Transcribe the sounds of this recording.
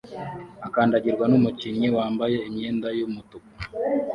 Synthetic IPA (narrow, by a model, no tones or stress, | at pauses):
akaːndaɟiɾɡwanumucinɲiwaːmbaje̞imɲe̞ːndajumutuku̥